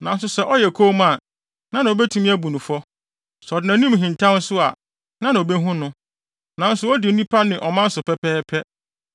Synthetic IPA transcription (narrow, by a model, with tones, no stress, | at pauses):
nã˨n̩˦sʊ˦sɛ˦ʔɔ˦jɛ˨kʰo˦mã˨ | nã˦nã˨o˨bɛ˦tʰu˨mĩ˦æ˦bu˨nũ˨fɔ˦ | sɔ˨dɪ˨nã˨˦nĩ˦m˨ɦĩ˨n˨tʰã˦n̩˦sʊ˦a̰˨ | nã˦nã˨o˨be˦ɦũ˦nʊ̃˦ | nã˨n̩˦sʊ˦ɔ˦dɪ˨n̩˦nĩ˦pʰa˦nɪ̃˨ʔɔ˨mã˦n̩˦sʊ˨pʰɛ˦pʰɛː˦pʰɛ˦